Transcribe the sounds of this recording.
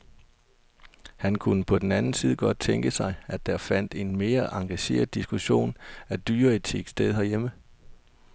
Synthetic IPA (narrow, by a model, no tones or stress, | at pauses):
hænkʰunəpʰɒ̽d̥enænn̩siːðˠəɡ̥ɒ̽d̥̚t͡sʰeŋɡ̥əsɑ̈ɪʔædd̥æɐfæn̰d̥e̝nme̝ːɐʔɑ̈ŋɡ̥æɕe̝̰ːɐð̩ˠd̥isɡ̥uɕo̝̰ːnæd̥yːɐit͡sʰḛɡ̥sd̥eð̞ˠhɒjemə